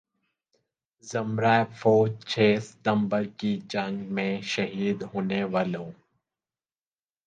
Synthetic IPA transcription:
zəmɾaːefʰoːd͡ʒt͡ʃʰeːsɪ̥t̪əmbəɾkid͡ʒə̃ŋɡmẽʃəɦiːd̪ɦoːneʋaːlõː

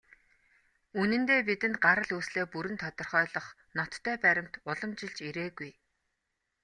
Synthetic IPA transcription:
unɘ̆nt̪eːp̬it̪ɘ̆nt̪̚ɢaɾə̆ɮuːsɮeːpuɾɘ̆nt̪ʰɔt̪ɞ̆rχœːɮɞ̆χ | nɔt̪ʰːœːpæɾʲɪ̆m̥t̪ʊɮɞ̆mt͡ɕɪ̆ɮt͡ɕiɾeːɡuj

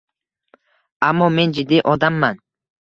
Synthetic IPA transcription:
ʔamːɔme̞nd͡ʒɪd̪ːiʔɔd̪amːan

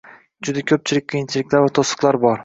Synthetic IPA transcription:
d͡ʒʊd̪akʲʰɵp̚t͡ʃʰɪlɪk̚ʲqʰijɪnt͡ʃʰɪlɪkʲlaɾvat̪ʰosɨ̥qlˠaɾbɒɾ

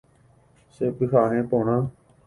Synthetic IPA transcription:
seːpɪkʰaːɦẽːpoːɳãː

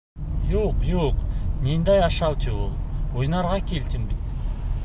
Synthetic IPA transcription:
joqjoqnʲend̪ɑjɑʃɑwt̪ʰewolˠwojnɑɾʁɑkʲʰe̞lt̪ɪmbit̪

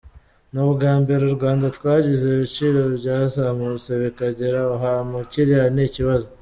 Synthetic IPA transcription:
nuβuɡaːmbeɾuɾɡwaːndatwaːɟizeβit͡ʃiːɾo̞bɟaːzamuseβekaɟeɾauɦamuciɾijaniciβazo

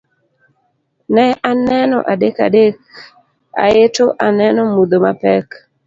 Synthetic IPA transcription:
nɛʔanɛnɔ̰ʔadeka̰dek̚ | a̰etoʔanɛnɔmud̪omapɛk

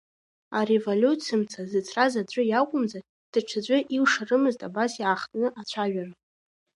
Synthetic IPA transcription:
arevolʲut͡sʰimt͡sʰazɨt͡sʰrazad͡ʒʷʼʊjakʷʼʊmza | d̥aʈ͡ʂʷʰad͡ʑʷʼʊʔiwʂarɨmɨztʼabasjaχtʼnɨʔat͡ɕʷʰaʒᶣara

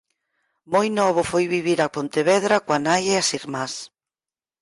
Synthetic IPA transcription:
mojnɔβ̞ʊfojβiβiɾapont̪eβɛðɾakwanajeasiɾmas

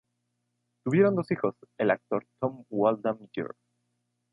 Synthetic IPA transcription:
t̪uβje̞ɾo̞nd̪o̞sixo̞se̞lak̚t̪o̞ɾt̪o̞mwwald̪amdṵɾ

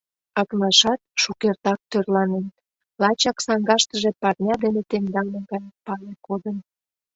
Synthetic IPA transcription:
ɑknɑʃɑt̪̚ʃukert̪ɑk̚t̪ørlɑnen | lɑt͡ɕɑksɑŋɡɑʃt̪əʒepɑrnʲɑd̪enet̪end̪ɑlmeɡɑjpɑlekod̪ən

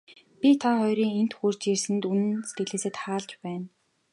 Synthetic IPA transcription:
pʲit̪ʰaχɔjɾiːŋent̪xuːr̥t͡ɕjirsɘ̆nt̪unɘ̆nse̥t̪ɡɘ̆ɮeːseːt̪χaːɮt͡ɕpæːn

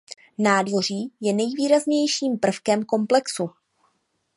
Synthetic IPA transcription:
naːdvo̞r̝iːjɛnɛjviːɾazɲɛjʃiːmpr̩fkɛmko̞mplɛksu

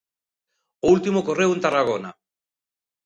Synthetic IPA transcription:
olt̪imokoreunt̪araɣona

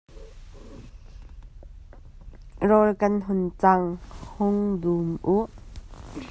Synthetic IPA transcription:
rɔlkɐnɦʊnt͡saŋhʊŋdumʔuʔ

